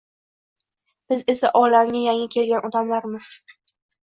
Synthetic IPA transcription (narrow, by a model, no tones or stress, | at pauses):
b̥ɪze̞saʔɒlamɡʲajaŋakʲʰe̞lɡʲanɒd̪amlaɾmɪz̥